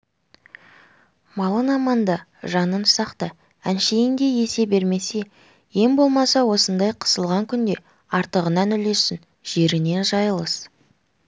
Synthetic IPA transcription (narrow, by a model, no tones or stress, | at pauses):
mɑlˠənɑmɑnd̪ɑʒɑnəmsɑqt̪ə | ænʃe̞jɪnd̪e̞je̞se̞be̞ɾme̞se̞ | je̞mbo̞lˠmɑsɑwo̞sənd̪ɑjqʰə̥səlˠʁɑŋkʲʰʏnd̪e̞ | ɑɾt̪əʁənɑnʏle̞sːɪn | ʒ̥e̞ɾɪne̞nʒɑjəlˠəs